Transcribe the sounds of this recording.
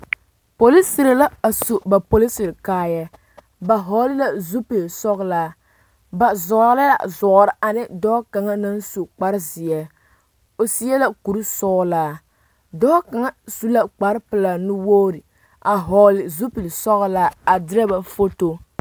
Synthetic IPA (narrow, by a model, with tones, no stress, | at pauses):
po˨li˦sɪ˨ɾla˦a˨su˨ba˨po˨li˦sɪ˨ɾkaː˦jɛ˦ | ba˨ɦɔ˨˦lɪ˦la˨zu˦pi˨lsɔ˦ɣlaː˦ | ba˨zɔ˨˦la˦la̰˨zɔ˨ʔɾɪ˦ʔa˨nɨ˦dɔ˦ka˨ŋa˦na˦n˦su˨k͡pa˦ɾzɪ˨jɛ˦ | o˨si˦jɛ˦la˦ku˨ɾɨ˦sɔ˦laː˦ | dɔː˦ka˨ŋa˦su˦la˦k͡pa˨˦ɾpɨ˨la˨nu˦woː˦ɾi˨ | a˨ɦɔ˨lɪ˨zu˦pi˨lsɔ˦ɣlaː˦a˨dɪ˦ɾa˦ba˨fo˦to˦